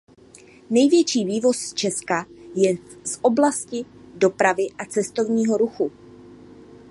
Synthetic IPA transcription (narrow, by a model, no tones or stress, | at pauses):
nɛjvjɛt͡ʃiːviːvo̞st͡ʃɛskajɛsʔo̞blascɪdo̞pɾavɪʔat͡sɛst̪o̞vɲiːɦo̞ɾuxu